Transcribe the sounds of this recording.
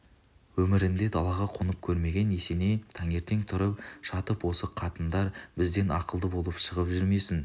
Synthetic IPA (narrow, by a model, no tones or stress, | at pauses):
wɵmɪɾɪnd̪e̞d̪ʰɑlˠɑʁɑqʰʊnəp̚kʲʰɵɾme̞ɡʲe̞ne̞se̞ne̞t̪ʰɑŋe̞ɾt̪e̞ŋt̪ʰʊɾəp̚ʃɑt̪əpwo̞səqʰɑt̪ənd̪ɑɾbɪzd̪e̞nɑqəlˠd̪əbo̞lˠəpʃəʁəpʒʏɾme̞sɪn